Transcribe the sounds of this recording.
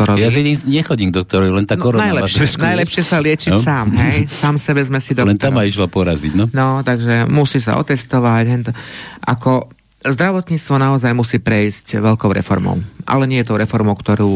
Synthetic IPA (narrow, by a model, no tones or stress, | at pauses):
ɔɾɔjaiɲiɲɛxɔɟiːmɡ̚d̪ɔk̚t̪ɔɾɔlɛnt̪aːkɔɾɔnajlɛʃɛnajlɛpʃɪɛsalɪɛt͡ʃisaːmɦɛjsaːmsɛbɛzmɛsid̪ɔlɛnt̪amaiʃlapɔɾaziɟnɔnɔt̪aɡʒɛmusiːs̬a̰ʔɔ̰t̪ɛst̪ɔʋacɦɛt̪ɔʔakɔ | zd̪ɾaʋɔt̪ɲiːt͡st̪ʋɔnaɔzajmusiːpɾɛiscʋɛʎkɔʊɾɛ̰fɔ̰ɾmɔ̰ʊʔa̰lɛɲɪɛjɛt̪ɔʊɾɛfɔɾmɔʊkt̪ɔɾuː